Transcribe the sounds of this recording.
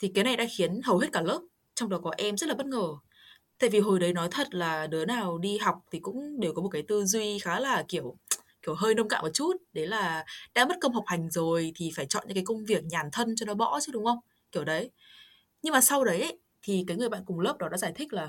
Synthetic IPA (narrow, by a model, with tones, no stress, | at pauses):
t̪ʰi˨˩ka˨˦na˨˩jɗa̰ː˧˥xi˨˦ənɦə˨˩whe˦˥t̚kaː˧˩ləː˦˥p̚ | t͡ɕɔ˧wŋ͡mɗɔ˨˦kɔ˨˦ʔɛ˧mzə˦˥tla˨ɓə˦˥t̚ŋəː˧˩ | t̪a̰ː˧˨vi˨˩ɦo˨˩jɗə˨˦jnɔ˨˦jt̪ʰə˨˩t̚laː˨˩nɨ˨˦ənaː˨˩wɗi˧ɦa˨˩wk͡p̚t̪ʰi˨˩kʊ̰˧˥ŋ͡mɗe˨˩wkɔ˨˦mo˨˩t̚kaː˨˦t̪ɨ˧zwi˧xaː˨˦laː˨˩ki˧˩əwki˧˩əwɦəː˧jnə˧ŋ͡mka̰ː˧˨ʔmo˨˩t̚t͡ɕu˦˥t̚ɗe˨˦laː˨˩ɗa̰ː˧˥mə˦˥t̚kə˧wŋ͡mɦa˨˩wk͡p̚ha˨˩jŋ̟zo˨˩jt̪ʰi˨˩faː˧˩jt͡ɕɔ̰˧˨ɲɨ̰˧˥kaː˨˦jkə˧wŋ͡mvi˨˩ək̚ɲaː˨˩nt̪ʰə˧nt͡ɕɔ˧nɔ˨˦ɓɔ̰˧˥t͡ɕɨ˦˥ɗʊ˨˦ŋ͡mxə˧wŋ͡m | ki˧˩əwɗə˨˦j | ɲɨ˧ŋmaː˨˩sa˧wɗə˨˦jʔə˨˦j | t̪ʰi˨˩kaː˨˦jŋɨ˨˩əjɓa̰˧˨nkʊ˨˩ŋ͡mləː˦˥p̚ɗɔ˨˦ɗa̰˧˥zaː˧˩jt̪ʰï˦˥k̟̚laː˨˩